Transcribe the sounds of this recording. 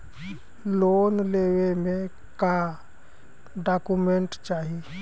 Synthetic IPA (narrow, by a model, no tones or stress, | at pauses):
loːnleːwemẽ | ka | ɖaːkumẽɳʈt͡ʃaːɦi